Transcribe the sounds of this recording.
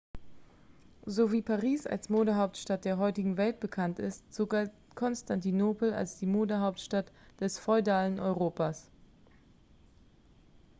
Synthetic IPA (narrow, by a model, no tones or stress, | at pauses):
zoːviːpʰaʁiːsa̰lsmoːdəɦaʊp̚tʃtat̚d̥eːɐɦɔʏtɪɡŋ̩vɛlt̚b̥əkʰantɪstz̥oːɡalt | kʰɔnstantinoːpl̩a̰lsd̥iːmoːdəɦaʊptʃtatd̥ɛsfɔʏdaːlənʔɔʏʁoːpas